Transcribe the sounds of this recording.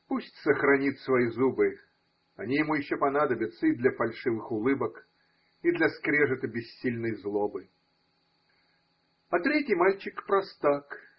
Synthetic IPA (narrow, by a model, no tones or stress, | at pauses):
pusʲtʲsəxɾɐnʲit̪ʲsvɐjizubɨ | ɐnʲijɪmujɪɕːopɐnad̪əbʲɪt̪sːəid̪lʲɐfɐlʲʂɨvɨxʊlˠɨbək | id̪lʲɐskɾʲeʐɨt̪əbʲɪsʲːilʲnəjzlˠobɨ | ɐt̪ɾʲetʲɪjmalʲt͡ɕɪkpɾɐst̪ak